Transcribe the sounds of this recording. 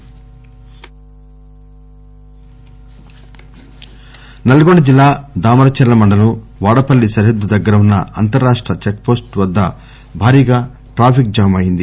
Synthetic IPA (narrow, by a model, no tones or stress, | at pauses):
nɐlɐɡoɳɖɐd͡ʒilːaːd̪aːmɐɾɐt͡ʃɐɾlːɐmɐɳɖɐnuʋaːɽɐpɐlːisɐɾɦed̪ːud̪ɐɡːɐɾɐunːɐ̰ɐ̰nt̪ɐɾːaːʂʈɾɐt͡ʃek̚po̞ːsʈʋɐd̪ːɐ | bʱaːɾiːɡaː | ʈɾaːpʰik̚d͡ʒɐːɐmɐjind̪i